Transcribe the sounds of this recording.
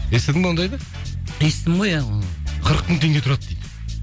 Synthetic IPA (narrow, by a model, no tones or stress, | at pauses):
esed̪ɪŋond̪ɑjbɑ | qist̪ɪmʁojaqʰəɾəq̚mʊŋt̪ʰe̞ŋɡʲet̪ʰʊɾɑd̪d̪ejd̪